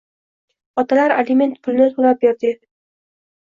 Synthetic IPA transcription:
ɒt̪ʰalaɾalɪme̞nt̪̚pʰʊlnɪt̪ʰolap̚beɾd̪ɪ

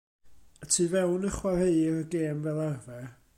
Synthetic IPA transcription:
ətʰiːvɛwnəχwarejɾəɡeːmvɛlˠarvɛ

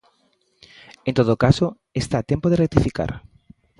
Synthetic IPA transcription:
ẽnt̪oðokaso | est̪at̪ẽmpoðerek̚t̪ifika̰ɾ

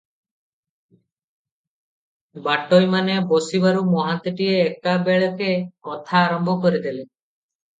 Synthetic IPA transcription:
baʈojmanebɔsibaɾumɔɦant̪iʈieːkabeɭɔkemɔt̪ʰaːɾɔmbʱɔkɔɾid̪eli

